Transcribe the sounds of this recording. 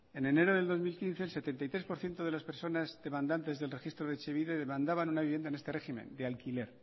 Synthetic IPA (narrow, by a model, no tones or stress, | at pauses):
e̞ne̞ne̞ɾoðeld̪ozmilkin̟θe̞ːlse̞t̪e̞nt̪ajt̪ɾe̞spo̞ɾθje̞nt̪oð̞e̞laspeɾso̞nazðe̞mãnd̪ant̪e̞zðelre̞xist̪ɾoðet͡ʃeβiðeðemãnd̪aβanunaβiβjenaenest̪e̞reximḛ̃nd̪ealkile̞ɾ